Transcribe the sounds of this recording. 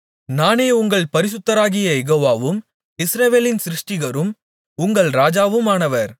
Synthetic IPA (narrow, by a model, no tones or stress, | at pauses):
naːneːʊŋɡɐɭpɐɾɪs̬ɯt̪ːɐɾaːɣɪjɐɛɣoːʋaːʋɯm | ɪsɾɐʋeːlɪnsɾɪʂʈɪɣɐɾɯm | ʊŋɡɐɭɾaːd͡ʒaːʋɯmaːnɐʋɐɾ